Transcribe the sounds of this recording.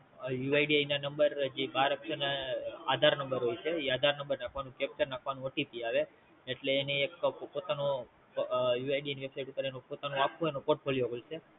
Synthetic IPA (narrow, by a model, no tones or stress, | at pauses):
juajɖiajnanəmbəɾd͡ʒebaɾəkʃənaad̪ʱaɾnəmbəɾɦojt͡ʃʰeiad̪ʱaɾnəmbəɾnakʰʋanũkɛp̚t͡ʃəɾnakʰʋanũəʈipiaʋeː | ʈleːneːkpot̪ano | juajɖieniʋebsajʈupəɾenopot̪anõakʰõenopoʈfʰoliokolt͡ʃʰe